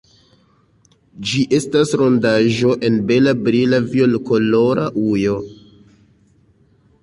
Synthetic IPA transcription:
d͡ʒiʔe̞stasɾo̞ndaʒo̞ʔe̞nbe̞labɾilaviolkoloɾaʔujo̞

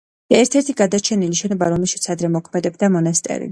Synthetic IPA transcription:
aɛɾt̪ʰɛɾt̪ʰiɡad̪at͡ʃʰɛniliʃɛnɔbaɾɔmɛlˠʃit̪sʰad̪ɾɛmɔkʰmɛd̪ɛb̚d̪amɔnast̪ʼɛ̰ɾḭ

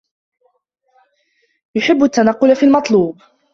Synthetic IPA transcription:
jʊħɪbːat̪ːanɑqːʊlafiːlmɑt̪ˤluːb

